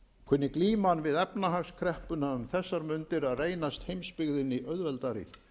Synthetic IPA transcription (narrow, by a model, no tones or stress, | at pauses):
kʰʏnːɪkliːmanvɪðɛpnaɦafskʰɾɛhpʏnaʏmθɛsːaɾmʏnt̪ɪɾaðreːjnast̪hejmspɪɣðɪniʔœðvɛlt̪aɾɪ̰